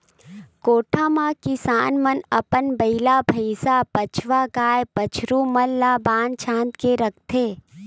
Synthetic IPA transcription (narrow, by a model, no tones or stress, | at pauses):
koːʈʰamãkɪsaːnmənɐpənbəɪlabʱəɪsapət͡ʃʰʋaɡaːjpət͡ʃʰɾuːməlːabãːnd̪̚t͡ʃʰãːnt̪keɾɐk̚ʰt̪ʰeː